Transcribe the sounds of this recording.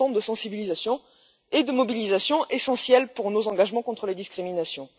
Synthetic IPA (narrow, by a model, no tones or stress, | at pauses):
ɑ̃d̪əsɑ̃sibilizasjɔ̃ | ed̪əmɔbilizasjɔ̃ʔesɑ̃sjɛlpuʁnozɑ̃ɡaʒmɑ̃kɔ̃t̪χəled̪iskχiminasjɔ̃